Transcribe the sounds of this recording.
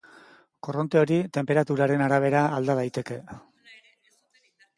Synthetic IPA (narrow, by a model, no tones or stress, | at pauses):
ko̞ro̞nt̪e̞o̞ɾit̪e̞mpe̞ɾat̪uɾaɾe̞naɾaβ̞e̞ɾaːld̪að̞ajt̪e̞ke̞